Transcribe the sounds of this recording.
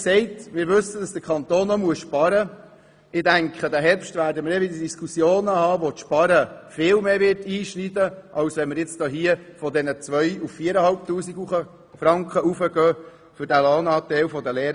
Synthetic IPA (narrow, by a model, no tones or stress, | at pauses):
sɛɪtmɪːɾʋɵsəd̥ɑsd̥əkʰɑnt̪oːnːɔmuəsʃpɑɾə | ɪd̥æŋkʰχədæɦɛɾpʃtvæːɾdəməɾɛʋɪdədiskusjoːnəhɑːʋotʃpɑɾəfɪːlmeːʋɪɾtiːʃnidəʔɑwsʋɛnməɾjɛt͡sd̥ɔːɦiəfɔdɛnət͡sʋœʏuffiːəɾəhɑlp̚tuːsiɡuχə | fɾɑŋkχəufəɡœː | fʏɾdælɑːnɑːt̪ɛlfɔdəlɛːɾ